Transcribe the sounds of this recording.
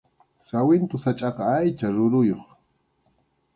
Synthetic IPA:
sawɪnt̪ʊsat͡ʃʼɑqɑajt͡ʃaɾʊɾʊjoχ

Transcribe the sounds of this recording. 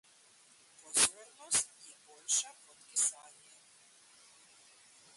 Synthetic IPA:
pozɔjnost̪ibolʃapot̪kisaːɲɛ

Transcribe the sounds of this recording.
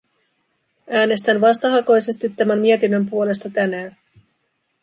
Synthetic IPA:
æːne̞st̪ænʋɑst̪ɑɦɑko̞jse̞st̪it̪ːæmæmmiet̪inːø̞mpuo̞le̞st̪ɑt̪ænæːn

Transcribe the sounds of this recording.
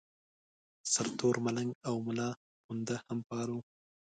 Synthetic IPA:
saɾt̪oɾmalaŋɡawmʊlɑ | pund̪ahampɑːɾu

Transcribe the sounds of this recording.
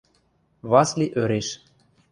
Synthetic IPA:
βɑsliʔøɾeʃ

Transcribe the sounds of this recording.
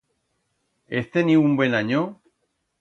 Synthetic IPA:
est̪eniumbwenaɲo

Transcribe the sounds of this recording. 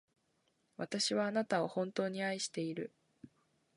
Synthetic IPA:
βat̪aɕiβaːnat̪ao̞hõ̞nt̪o̞ːɲ̟iaiɕi̥t̪e̞iɾɯ̟

